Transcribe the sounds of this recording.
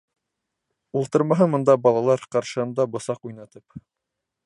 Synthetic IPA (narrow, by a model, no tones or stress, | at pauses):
ulˠt̪ɤ̆ɾmɑɦɤmŏnd̪ɑbɑlˠɑlˠɑɾqɑɾʃɤ̆hɤ̆nd̪ɑbŏsɑqujnɑt̪ɤp